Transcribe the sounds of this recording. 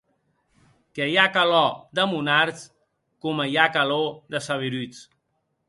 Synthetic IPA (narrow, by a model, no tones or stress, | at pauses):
kejakalɔd̪əmunaɾt͡s | kuməjakaloðəsaβ̞iɾyt͡s